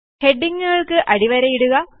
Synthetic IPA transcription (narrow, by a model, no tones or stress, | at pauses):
heɖːiŋːuɣɐɭkɨʔɐɽiʋɐɾɐjiɽuɣɐ